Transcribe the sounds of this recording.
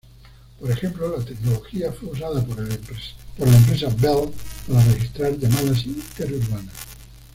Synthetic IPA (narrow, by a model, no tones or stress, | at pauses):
poɾe̞xe̞mplolat̪e̞knoloxiafwe̞usaða | poɾlaempɾe̞sabelpalarexist̪ɾaɾʎamaðas̬it̪eɾuɾβana